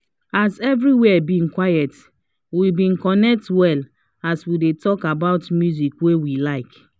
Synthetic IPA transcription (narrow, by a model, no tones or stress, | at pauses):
azɛvɹiwɛɛbĩŋkwajɛt | wibĩnkɔnɛk̚twɛl | aswidetɔkabaʊtmjuzikwewilaɪk